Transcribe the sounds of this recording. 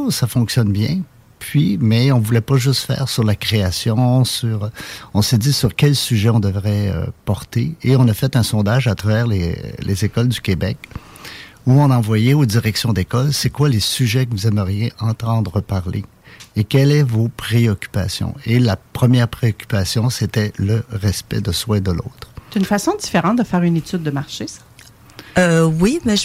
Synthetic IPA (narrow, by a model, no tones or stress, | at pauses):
safɔ̃ksjɔnbjɛ̃ | pʰɥimɛɔ̃vulɛpaʒʏst̪fɛ̰ːʁsyʁlakχeasjɔ̃syʁɔ̃sɛd̪isyʁkʲɛlsyʒɛɔ̃d̪əvʁɛø̰pɔʁt̪eeɔ̃nafɛt̪ɛ̃sɔ̃d̪aʒat̪ʁavɛːʁlḛlʔḛzekɔld̪ykʲebɛk | uɔ̃nɑ̃vwajɛod̪iʁɛksjɔ̃d̪ekɔlsɛkwalesyʒɛkəvuzɛməʁjeʔɑ̃t̪ɑ̃d̪ʁəpaʁlḛ | ekʲɛlɛvopʁeɔkʲy̥pa̰sjɔ̰̃elapχəmjɛːʁpʁeɔkʲy̥pasjɔ̃set̪ɛləʁɛspɛ̰d̪əswɛ̃d̪əlo̰ːt̪χt̪ynfasɔ̃d̪ifeʁɑ̃t̪̚d̪əfɛːʁynet̪yd̪̚ːəmaʁʃesḁ | øwimɛʒ